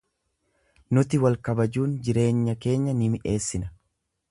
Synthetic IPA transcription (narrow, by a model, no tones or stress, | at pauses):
nʊt̪ɪwɐlkɐbɐd͡ʒuːnd͡ʒɪɾe̞ːɲːɐke̞ːɲːɐnɪmɪʔe̞ːsːɪnɐ